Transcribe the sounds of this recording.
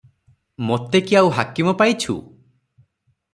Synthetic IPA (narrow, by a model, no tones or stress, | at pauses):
mot̪ekiawɦakimɔpajt͡ʃʰṵ